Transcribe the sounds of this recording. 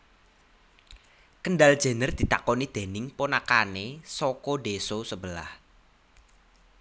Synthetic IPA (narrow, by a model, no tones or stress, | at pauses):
kənɖald̥ʒ̥e̤nərd̪̥i̤t̪a̰kɔnid̪̥e̤nɪŋponakanesɔkɔɖesosəbəla̰h